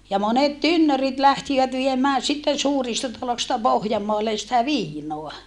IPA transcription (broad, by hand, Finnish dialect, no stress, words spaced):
jɑ monet tynːørit læhtiʋæt ʋiemæː sitːen̞ suːristɑ tɑlostɑ pohjɑmːoɑlːen̞ sĭtæ ʋiːnoɑ